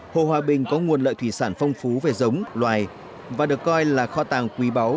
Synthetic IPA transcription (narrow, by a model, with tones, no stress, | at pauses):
ho̰˧˨ɦwaː˨ɓï˨˩ŋ̟kɔ˨˦ŋu˨˩ənlə̰ː˧˨jt̪ʰwi˧˩saː˧˩nfa˧wŋ͡mfu˨˦ve˨˩zə˨˦wŋ͡mlwaː˨˩j | vaː˨˩ɗɨ˨˩ə˩kːɔ˧jlaː˨˩xɔ˧t̪aː˨˩ŋkwi˨˦ɓa˨˦w